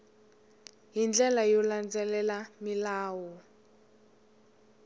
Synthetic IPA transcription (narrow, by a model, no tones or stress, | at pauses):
ɦind͡ɮɛlajɔland͡zɛlɛlamilaːwɔ